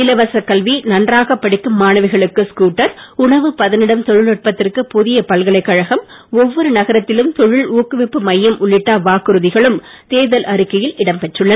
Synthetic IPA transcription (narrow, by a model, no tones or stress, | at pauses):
ɪlɐʋɐsɐkːɐlʋinɐndraːɣɐpːɐɽɪkːɯmːaːnɐʋɪɣɐɭɯkːɯskuːʈːɐɾʊɳɐʋɯpɐðɐnɪɽɐmt̪ɔɻɯɭɔʈ̚pɐt̪ːɪrkɯpʊðɪjɐpɐlɡɐɭɐɪkːɐɻɐɣɐm | ɔʋːɔɾɯnɐɣɐɾɐt̪ːɪlɯmt̪ɔɻɯɭuːkːɯʋɛpːɯmɐjːɐmʔʊɭːɪʈːaːʋaːkɯɾɯðɪɣɐɭɯm | t̪eːðɐlʔɐɾɯkːɐjɪlɪɽɐmpɛʈːrɯɭːɐ